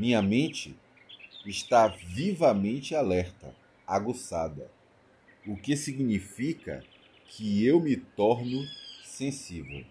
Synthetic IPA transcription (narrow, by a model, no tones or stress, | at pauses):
mĩɲɐmẽt͡ʃɪ | ɪʃt̪avivɐmẽnt͡ʃɪalɛɾt̪ɐ̰ | aɡosad̪ɐ̰ | ʊkɪsiɡnifikɐ̰ | kʰɪewmɪt̪ɔɾnʊsẽsivḛw